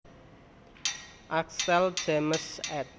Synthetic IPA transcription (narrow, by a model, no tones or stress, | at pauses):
ʔaksɛld̥eməsɛt̪̚